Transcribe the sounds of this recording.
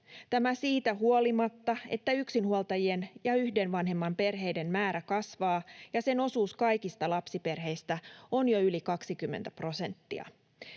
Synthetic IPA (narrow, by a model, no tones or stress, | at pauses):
t̪æmæsiːt̪æɦuolimɑt̪ːɑe̞̰t̪ːæyksinhuolt̪ɑjienjɑyhde̞nʋɑnɦe̞mːɑmpe̞rɦe̞jde̞mmæːɾækɑsʋɑːjɑse̞no̞suːskɑjkist̪ɑlɑpsipe̞rɦe̞jst̪æonjoylikɑksikymːent̪æpro̞se̞nt̪ːiɑ̰